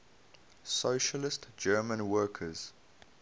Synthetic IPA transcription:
soʊʃəlɪstd͡ʒɜːmə̃nwɜːˑkʰəz̥

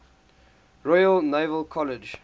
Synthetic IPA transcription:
ɹɔɪəlneɪvəlˠkʰɔlɪd͡ʒ

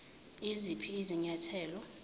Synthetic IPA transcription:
izipʰiːziɲatʰɛːlɔ

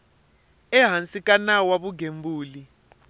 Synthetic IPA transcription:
ɛɦansʼikʼanawaɓuɡembuːli

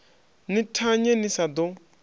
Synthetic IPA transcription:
nitʰaɲɛnisad̪ɔ

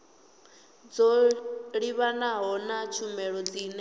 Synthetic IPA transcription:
d͡zɔɺiβanaɦɔnat͡ʃʰumɛɺɔd͡ziːnɛ

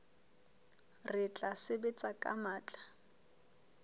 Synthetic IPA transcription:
rɪt͡ɬʼasɪbɪt͡sʼakʼa̰maːt͡ɬʼḁ

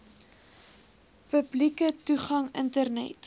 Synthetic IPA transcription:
pəblikətuχɐŋə̰ntərnɛ̰t

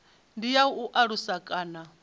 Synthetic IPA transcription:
ndijauʔaɺusakʼaːna

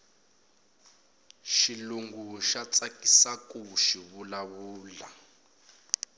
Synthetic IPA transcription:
ʃiluŋɡuʃat͡sʼakʼisakʼuʃiβulaβuːla

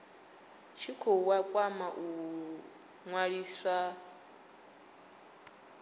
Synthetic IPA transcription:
t͡ʃʰikʰɔwakʼwamaʔu | ŋwaɺiːsʷa

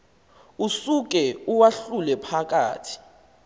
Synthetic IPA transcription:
usuk̬ɛuwaɬulɛpʰak̬ʼa̰ːtʰi̥

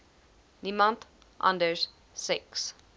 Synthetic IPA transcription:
nimãnt̪ | ʔã̰nd̪əɹs | sɛks

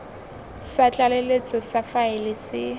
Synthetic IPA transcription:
sat͡ɬʼalelet͡sʼɔsafaɪlɪsɪ

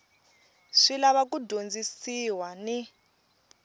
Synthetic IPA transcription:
ʂilaβak̬udʱond͡zisiwani

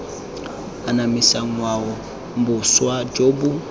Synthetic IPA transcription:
anamisaŋwaɣɔ | m̩bʊswad͡ʒoːbu

